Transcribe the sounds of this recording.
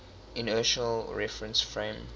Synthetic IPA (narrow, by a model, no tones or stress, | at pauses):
ɪ̃nɜʃəlɹɛfɹə̃nsfɹẽm